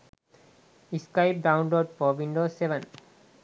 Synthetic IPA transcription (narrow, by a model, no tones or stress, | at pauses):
iskajp̚ɖãwnloɖ̚pɔbʱinɖosebə̃n